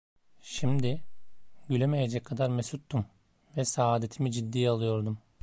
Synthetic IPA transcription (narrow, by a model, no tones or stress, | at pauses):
ʃimd̪ɪ | ɟylʲeme̞jed͡ʒɛc̚kʰːad̪aɾmesut̪ːum | vɛsaaːd̪e̞t̪ʰimid͡ʒid̪ːiːalˠɯjo̞ɾd̪um